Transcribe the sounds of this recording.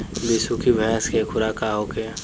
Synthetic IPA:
bɪsukibʱəɦɛskekʰʊɾaːkaːɦoːke

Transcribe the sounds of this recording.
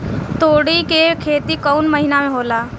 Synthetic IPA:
t̪oːɽikekʰeːt̪ikəʊnməɦɪnamẽɦoːlaː

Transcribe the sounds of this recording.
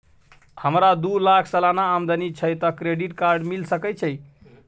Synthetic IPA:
həmɾad̪ulakʰsəlanaːmd̪ənit͡ʃʰəjt̪ɔkɾeɖiʈkaɾɖmilsəkɛt͡ʃʰəj

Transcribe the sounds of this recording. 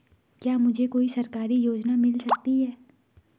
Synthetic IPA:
kjaːmʊd͡ʒʱekoːisɐɾkaːɾijoːd͡ʒnamɪlsɐk̚t̪iɦɛː

